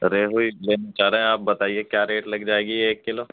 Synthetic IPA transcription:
ɾeːɦoileːnet͡ʃaːɾeɦɛ̃aːp̚bɐt̪aːiekjaːɾeːʈlɐɡd͡ʒaːeːɡieːkːɪloː

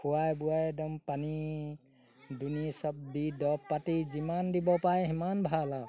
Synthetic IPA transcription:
kʰuwajbuajɛdɔmpani | dunisɔb̚didɔppːatizimandibɔpajɦɛmanbʱala

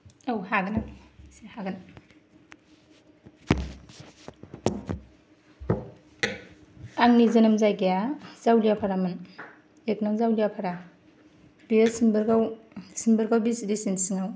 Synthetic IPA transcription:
awhaɡɯnasehaɡan | aŋnizɐnɯmzajɡejaz̥awlijapʰaɾamɯn | ek̚naŋzawlijapʰaɾa | biesimbɯɾɡaw | simbɯɾɡawbisdisinsiŋaw

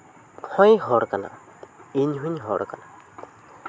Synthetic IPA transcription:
hɔjɦɔɾkana̰ | iɲɦuɲɦɔɾkana

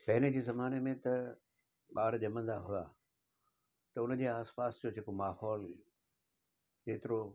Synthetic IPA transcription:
pɐɦɪned͡ʑeːzɐmaːnemẽt̪ɐ | ɓaːɾʄɐmə̃nd̪aɦʊaː | t̪ɐʊnəd͡ʑeːaːspaːsd͡ʑod͡ʑeːkomaːhɔːl | keːt̪ɪɾo

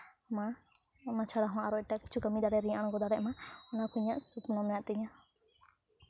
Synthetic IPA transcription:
ma | nat͡ʃʰaɽaɦɔ̃ʔaɾɔɛʈaki̥t͡ʃʰukamid̪aɽɛɾĩʔaɽ̃ɡɔd̪aɽɛʔmaɔnakʰuɲaʔsupnɔmɛnaʔt̪ɛɲã

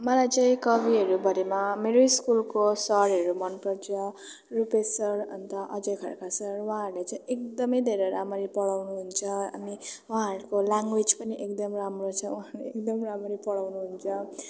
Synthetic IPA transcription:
mʌlajt͡saĩkʌbʱiɦʌɾubʱʌɾemameɾoiskulkosʌɾɦʌɾumʌnpʌɾt͡sʰʌ | rupesʌɾʌnt̪ʌʔʌd͡zʌjkʰʌɾkasʌɾwãɾlet͡saĩek̚d̪ʌmʌjd̪ʱeɾeɾamʌɾipʌɽawnuɦunt͡sʰʌa̰miwuɦãɦʌɾukolaŋɡwed͡zpʌniʔekd̪ʌmramrot͡sʰʌuaɾeekd̪ʌmɾamʌɾipʌɽawnuɦunt͡sʰʌ

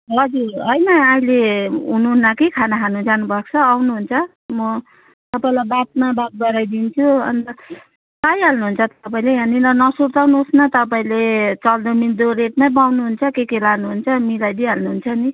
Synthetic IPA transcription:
ɦʌd͡zurɦʌjnʌaileɦunuɦnːakekʰanaɦʰanud͡zanubʱʌkt͡sʰʌːwnuɦunt͡sʰʌ | mʌ | t̪ʌpaĩlajbat̚mabap̪̚ɡʌɾajd̪int͡sʰuʌ̰nt̪ʌ | kajɦalnuɦunt͡sʰʌt̪ʌpaĩlejaninʌnʌsuɾt̪awnuosnʌt̪ʌpaĩlet͡sʌld̪omid̪oɾeʈ̚mabawnuɦunt͡sʰʌkekelanuɦunt͡sʰʌmilajd̪iɦalnuɦunt͡sʰʌni

